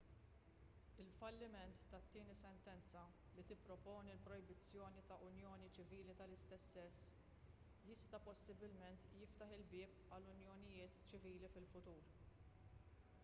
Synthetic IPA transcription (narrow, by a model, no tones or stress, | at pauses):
ɪlfɐlːɪmɛnt̪ːɐt̪ːɪːnisɛnt̪ɛnt͡sɐ | lit̪ɪpːɾɔpɔːnilpɾɔjbɪt͡sːjɔːnit̪ɐʔʊnjɔːnit͡ʃɪviːlit̪ɐlɪst̪ɛsːɛsː | jɪst̪ɐpɔsːɪbɪlmɛnt̪jɪft̪ɐħɪlbɪːp | ɐlːʊnjɔnɪjɪːt̪t͡ʃɪviːlifɪlfʊt̪uːɾ